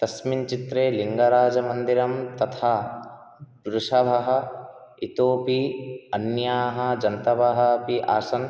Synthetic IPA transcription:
t̪ɐsmint͡ʃit̪ɾeːliŋɡaɾaːd͡ʒɐmɐnd̪iɾɐmt̪ɐt̪ʰaː | d̪ɾuʃɐbʱɐɦɐ̆it̪oːpiɐnjaːɦɐd͡ʒɐnt̪ɐbʱɐɦɐpiʔaːsɐn

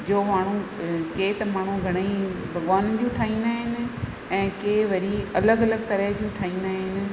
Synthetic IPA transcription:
d͡ʑoːmaːɳ̤̃ũkeːt̪ɐmaːɳ̤̃ũɡʱɐɽ̃i | bʱɐɡʋaːnd͡ʑũːʈʰaːĩːnd̪aːɦɪnɪ̆ | ɛ̃ːkeːʋɐɾiɐləɡɐləɡ̚t̪ɐɾəɦd͡ʑũːʈʰaːĩːnd̪aːɦɪnɪ̆

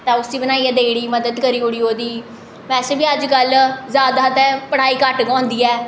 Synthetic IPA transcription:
t̪ãːʊsd̪iːbənaːiːɛːd̪eːɽiːməd̪əd̪kəɾiːʊɽiːɦoːd̪iː | ʋɛːseːbiːəd͡ʒkəlzjaːd̪aːt̪ɛ̃ːpəɽ̤aːiːkəʈɡɔ̃ːnd̪iːɛː

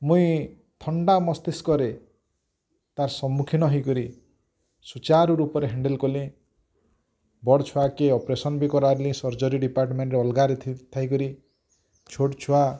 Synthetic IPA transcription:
mũĩ | t̪ʰɔɳɖamɔst̪iskɔɾe | t̪aɾsɔmukʰinɔɦikɔɾi | sut͡ʃaɾuɾupɔɾeɦeɳɖelkɔlĩ | bɔɽt͡ʃʰuakeɔpɾesɔnbikɔɾaɾlĩsɔɾd͡ʒɔɾiɖipaɾʈɔmeɳʈɾeɔlɡaɾet̪ʰt̪ʰajkɔɾi | t͡ʃʰoʈt͡ʃʰua

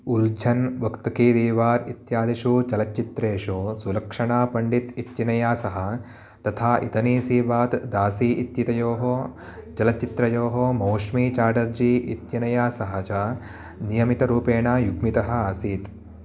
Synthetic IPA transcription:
uld͡ʒʰɐnʋɐkt̪ɐkiːd̪iːʋaːɾit̪jaːd̪iʃuːt͡ʃɐlɐt͡ʃːit̪ɾeːʂosulɐkʂɐɳaːpɐɳɖit̪it̪jinɐjaːsɐɦɐ̆ | t̪ɐt̪ʰaːʔḭt̪ɐniːsiːʋaːt̪d̪aːsiːʔit̪jit̪ɐjoːɦo | t͡ʃɐlɐt͡ʃːit̪ɾɐjoːɦomoːʂmiːt͡ʃaːɖɐɾd͡ʒiːʔit̪jinɐjaːsɐɦɐt͡ʃa | nijɐmit̪ɐɾuːpeːɳaːjuɡmit̪ɐɦɐ̆aːsiːt̪

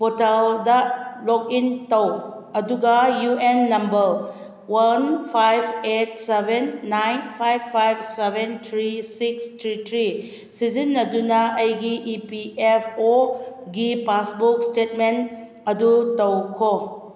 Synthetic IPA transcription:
pɔtaldɐlɔk̚intɐw | ɐduɡɐjuenːɐmbɐɾ | wanpʰajbet̚sebenːajnpʰajbʰajbsebent̪ʰɾisikstʰɾit̪ʰɾi | sizinːɐdunɐɐjɡiʔːpiepʰoɡipasbuk̚stet̚men | ɐdutɐwkʰo

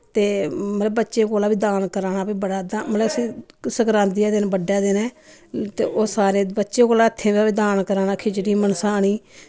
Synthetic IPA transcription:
t̪eːmələbbətːʃẽːkoːlaːbiːd̪aːnkəɾaːnaːpiːbəɽaːd̪aːmələəsĩː | səkɾãːnd̪ijaːd̪eːnːbəɖːjaːd̪eːnɛ̃ː | t̪eːʔoːsaːɾeːbətːʃẽːkoːlaːɪt̪ʰːẽːabiːd̪aːnkəɾaːnaːkʰɪt͡ʃɽiːmənsaːəɳ̃iː

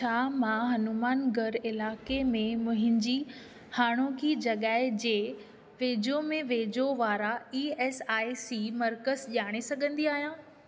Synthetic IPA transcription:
t͡ɕʰaːmãɦɐnumaːnɡʱɐɾɪlaːkemẽmʊ̃ɦɪ̃ɲd͡ʑiː | haːɽ̃okʰiːd͡ʑɐɠaːɪd͡ʑeː | ʋeːd͡ʑomẽʋeːd͡ʑoʋaːɾaiːɛːsaːisiːmɐɾkəzʄaːɽ̃esɐɠʱə̃nd̪iaːɦijãː

